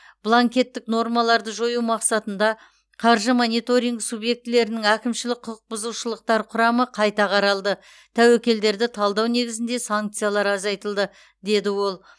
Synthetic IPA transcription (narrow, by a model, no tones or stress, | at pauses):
b̥lˠaŋkʲe̞t̪ːɪkno̞ɾmɑlˠɑɾd̪əʒo̞jumɑqsɑt̪ən̪d̪ɑ | qʰɑɾʒəmo̞nijt̪o̞ɾʲijŋɡsubje̞k̚t̪ɪle̞ɾɪnɪŋækʲɪmʃɪlɪk̚ʲqʰʊlˠəq̚bʊzuʃəlˠəq̚t̪ɑɾqʰʊɾɑməqʰɑjt̪ɑqʰɑɾɑlˠd̪ə | t̪ʰæwekʲe̞ld̪e̞ɾd̪ɪt̪ʰɑlˠd̪ɑwne̞ɡʲɪzɪnd̪e̞saŋk̚t̪sijalˠɑɾɑzɑjt̪əlˠd̪ə | d̪e̞d̪ɪwo̞lˠ